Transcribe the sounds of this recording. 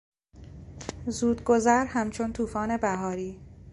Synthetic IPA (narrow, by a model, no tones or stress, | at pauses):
zuːd̪ɡo̞zæɾhæmt͡ʃʰont̪ʰuːfɒːne̞bæɦɒːɾiː